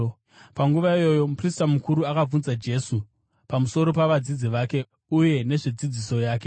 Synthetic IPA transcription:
paŋɡuʋaijo̞jo̞pristamukuɾuakab͡vunzad͡ʒe̞su | pamuso̞ɾo̞paʋad͡zid͡ziʋake̞ | uje̞ne̞ʐed͡zid͡ziso̞jaːk̬e

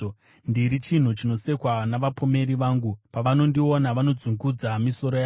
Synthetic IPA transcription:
ndiɾit͡ʃin̤ut͡ʃino̞se̞kwanaʋapome̞ɾiʋaːŋɡupaʋano̞ndio̞naʋano̞d͡zuŋɡud͡zamiso̞ɾo̞ja

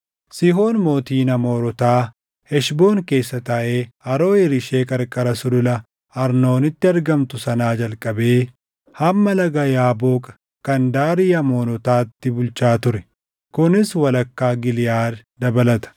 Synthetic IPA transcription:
sɪɦo̞ːnmo̞ːt̪iːnɐmo̞ːɾɔt̪aː | hɛʃbo̞ːŋke̞ːsːɐt̪ɐʔeːɐɾo̞ːɛɾɪʃe̞ːkʼɐɾkʼɐɾɐsʊdʊlɐ | ɐɾno̞ːnɪt̪ːɪɐɾɡɐmt̪ʊsɐnaːd͡ʒɐlkʼːɐbe̞ː | hɐmːɐlɐɡɐjaːbo̞ːkʼɐ̥ | kɐnd̪aːɾɪjɐmoːnɔt̪aːt̪ːɪbʊlt͡ʃaːt̪ʊɾɛ | kʊnɪswɐlɐkːaːɡɪlɪjaːɾd̪ɐbɐlɐt̪ɐ̥

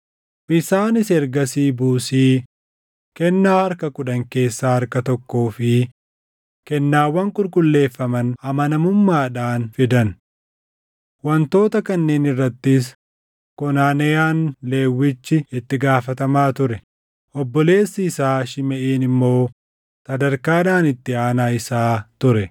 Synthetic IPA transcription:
ʔɪsaːnɪsɛɾɡɐsiːbuːsiː | kɛnːaːhɐɾkɐkʊᶑɐŋke̞ːsːaːhɐɾkɐt̪ɔkːoːfɪ | kɛnːaːwːɐŋkʼʊɾkʼʊlːe̞ːfːɐmɐnɐmɐnɐmʊmːaːᶑaːnfɪd̪ɐn | wɐnt̪o̞ːt̪ɐkɐnːe̞ːnɪrːɐt̪ːɪs̬ | kɔnaːnɐjaːnleːwːɪt͡ʃːɪɪt̪ːɪɡaːfɐt̪ɐmaːt̪ʊɾɛ | ʔɔbːɔle̞ːsːɪːsaːʃɪmɛʔeːnɪmːo̞ː | sɐd̪ɐɾkaːnaːnɪt̪ːɪaːnaːɪsaːt̪ʊɾɛ

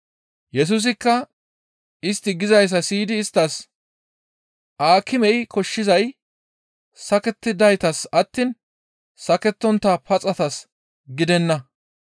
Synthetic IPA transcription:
jɛs̬us̬ɪkːɐ | ɪst̪ːɪɡɪzɐjs̬ɐsiːd̪ɪːst̪ːɐs | ʔaːkːɪmɛjkʰɔʃːɪzɐj | sɐkɛt̪ːɪd̪ɐjt̪ɐsɐt̪ːin | sɐkɛt̪ːɔnt̪ːapɐt͡sʼɐt̪ɐs | ɡɪd̪ɛnːɐ

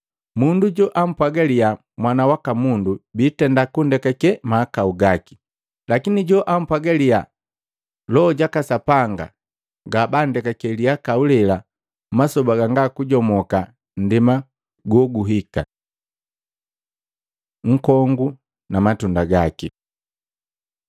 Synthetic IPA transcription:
munduɟɔʔam̩pwaɡalia | mwanawakamundubiːtɛndakundɛkakɛmaːkauɡaki̥ | lakiniɟɔʔam̩pwaɡalia | lɔɟakasapaŋɡa̰ | ɡabandɛkakɛliakaulɛla | masɔbaɡaŋɡakuɟɔmɔka | n̩dima | ɡɔɡuɦika | ŋ̩kɔŋɡu | namatundaɡaki

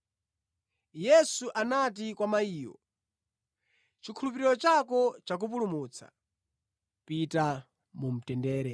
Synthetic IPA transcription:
jɛsuʔanat̬ikwamaiːwɔ̰ | t͡ʃikʰulup̬iɾiɾɔt͡ʃakɔt͡ʃak̬up̬ulumut͡sʰa̰ | pita | mum̩tɛndɛːɾɛ

